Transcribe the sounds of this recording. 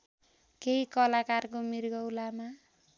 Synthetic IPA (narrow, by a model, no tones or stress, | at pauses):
keɦikʌlakarkomirɡʌwlama